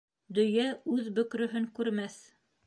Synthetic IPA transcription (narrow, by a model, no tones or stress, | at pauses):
d̪ɵ̆jæʉðbɵ̆kɾɵ̆ɦɵŋkʉɾmæθ